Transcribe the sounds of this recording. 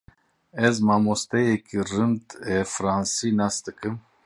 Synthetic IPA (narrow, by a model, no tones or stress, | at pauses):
ɛzmaːmost̪ejekirɨnt̪ɛfɾaːnsinasd̪ɨkɨm